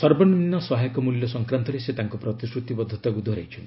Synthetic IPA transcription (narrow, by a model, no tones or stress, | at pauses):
sɔɾbɔniminːɔsɔɦajɔkɔmuljɔsɔŋkɾant̪ɔɾeset̪aŋkɔpɾɔt̪isɾut̪ibɔd̪ʱːɔt̪akud̪ʱɔɾejt͡ʃʰɔnt̪